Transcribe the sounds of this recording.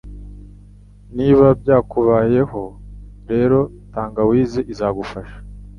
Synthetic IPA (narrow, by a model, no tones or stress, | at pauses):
niːβab̚ɟaːkuβaːje̞ɦo̞ɾe̞ːɾo̞ | taːŋɡawiːzeʔizaɡufaʃḁ